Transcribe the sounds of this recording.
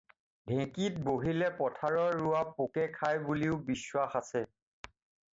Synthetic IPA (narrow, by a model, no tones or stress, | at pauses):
dʱɛ̃kit̚boɦilɛpɔtʰaɹɔːuapokɛkʰajbuliʊbiswaxasɛ